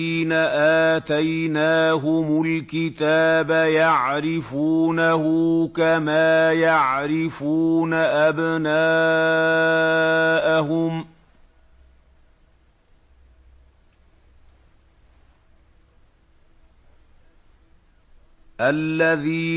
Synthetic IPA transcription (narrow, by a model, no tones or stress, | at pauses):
iːnaʔaːt̪ajnaːɦʊmʊlkɪt̪aːbajaʕɾɪfuːnahʊkamaːjaʕɾɪfuːnaʔabnaː | ʔaɦʊm | ʔalːaðiː